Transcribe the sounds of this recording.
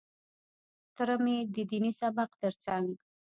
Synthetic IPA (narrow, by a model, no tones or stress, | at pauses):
t̪əɾəmed̪əd̪inisabaqt̪əɾt͡saŋɡ